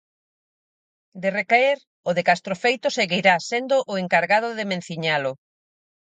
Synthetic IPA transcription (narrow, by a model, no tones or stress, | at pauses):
d̪erekaeɾ | oðekast̪ɾofejt̪ʊseɣiɾasend̪oʔʊeŋkaɾɣað̞ʊðemẽn̟θiɲalʊ